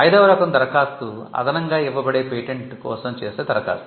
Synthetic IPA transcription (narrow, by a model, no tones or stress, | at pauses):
ɐjd̪ɐːʋɐɾɐkɐnd̪ɐɾɐkaːst̪uɐ̰d̪ɐnɐŋɡaːiʋːɐbɐɽeːpeːʈeɳʈkɔ̰ːsɐmt͡ʃeːseːd̪ɐɾɐka̰ːst̪u